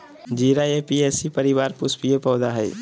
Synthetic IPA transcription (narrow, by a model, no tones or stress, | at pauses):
d͡ʒiːɾaepiesipəɾɪbaːɾpʊspiepɔːd̪aɦɛḭ